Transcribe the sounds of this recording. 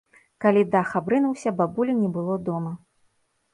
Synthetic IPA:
kalʲid̪axabɾɨnuwsʲɐbabulʲinʲɛbɨlˠɔd̪ɔmɐ

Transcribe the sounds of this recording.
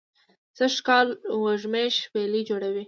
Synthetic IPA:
səʃkɑlwaʐmeʃwelid͡ʒoɽawi

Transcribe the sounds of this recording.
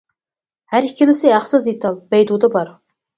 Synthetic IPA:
hæɾikʲʰːɪlɪsɪæχsɨzd̪et̪ʰɑlˠbɛjd̪ud̪ɑbɑɾ

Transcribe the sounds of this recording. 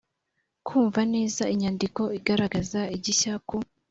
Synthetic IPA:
kʰuːɱvane̞ːzaiɲaːndiko̞iɡaɾaɡazaiɟiçaku

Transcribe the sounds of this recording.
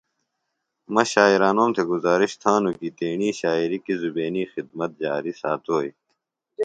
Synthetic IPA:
mɐɕaːiɾaːnoːmt̪ʰeɡuzaːɾiɕt̪ʰaːnukit̪eːɳiːɕaːiɾikizubeːniːxid̪̚mɐt̪̚d͡ʑaːɾisaːt̪oːj

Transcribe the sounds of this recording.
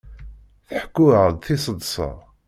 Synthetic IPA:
θħkːʊəʁðθisˤəd̪ˤsˤɑ̰

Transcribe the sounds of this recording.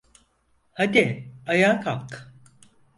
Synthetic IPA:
had̪iajaːkak

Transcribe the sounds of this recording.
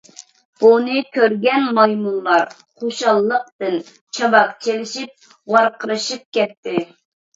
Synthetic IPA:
b̥unɨkʲʰøɾɡʲɛnmɑjmunlˠɑɾ | χoʃɑlˠːəq̚t̪ɨn | t͡ʃʰɑbɑqt͡ʃʰelɪʃip̚ | wɑɾqʰəɾɨʃɨp̚kʲɛt̪ʰːɪ

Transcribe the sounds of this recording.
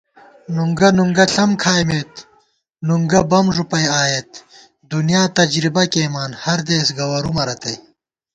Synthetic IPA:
nuŋɡɐnuŋɡɐɬɐmkʰaːjmeːt̪ | nuŋɡɐbɐmʐupɐjaːjet̪̚ | d̪unjaːt̪ɐd͡ʑɾibɐkeːmaːnhɐɾd̪eːsɡɐwɐɾumɐɾɐt̪ɐj

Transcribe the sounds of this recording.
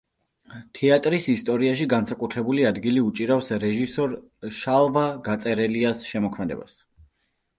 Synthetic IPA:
t̪ʰɛat̪ʼɾisist̪ʼɔɾiaʃiɡansakʼut̪ʰɾɛbuliad̪ɡiliut͡ʃʼiɾafsɾɛʒisɔɾ | ʃalˠvaɡat̪sʼɛɾɛliasʃɛmɔkʰmɛd̪ɛ̰ba̰s

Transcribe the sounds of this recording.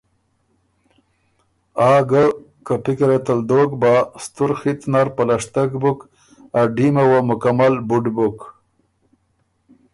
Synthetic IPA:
ɑːɡəkəpikɾet̪ald̪oɡbast̪uɾxit̪naɾpalaʂt̪aɡbuk | aɖimawamʊkamalbuɖbuk

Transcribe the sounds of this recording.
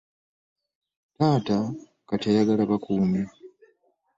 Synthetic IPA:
taːta | kateɾaɡalaβakuːmi

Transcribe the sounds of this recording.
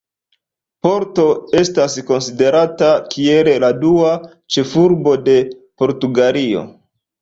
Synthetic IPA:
po̞ɾto̞e̞stasko̞nside̞ɾatakie̞leladua | t͡ʃe̞fuɾbo̞de̞po̞ɾtuɡalio̞̰

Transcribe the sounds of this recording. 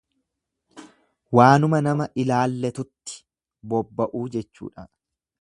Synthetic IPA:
waːnʊmɐnɐmɐʔɪlaːlːɛt̪ʊt̪ːɪ̥ | bɔbːɐʔuːd͡ʒɛt͡ʃːṵːᶑɐ

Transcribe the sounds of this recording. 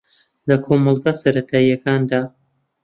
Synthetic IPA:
lɐkʰomɑlˠɡasɐɾɐt̪ʰaːijɐkaːnd̪aː

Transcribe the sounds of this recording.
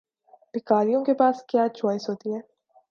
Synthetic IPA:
bɪkaːɾijõkepaːskjaːt͡ʃɔːɪsɦoːt̪iɦɛː

